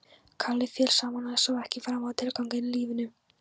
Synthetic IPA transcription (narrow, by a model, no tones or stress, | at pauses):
kʰalːɪfjɛːlsaːmanaðɪsɔwɛhcɪfaːɾavaːðt̪ʰɪlkawŋkɪnliːvɪnʏ